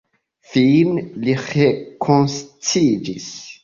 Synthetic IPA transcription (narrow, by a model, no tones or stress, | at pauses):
finliχekʰonst͡sid͡ʒis